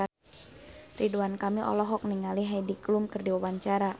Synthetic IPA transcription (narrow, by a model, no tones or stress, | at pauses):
riduankamiʔɔ̰lɔɦɔk̚niŋaliɦajdiklumkɨrdiwawaɲt͡ʃaɾa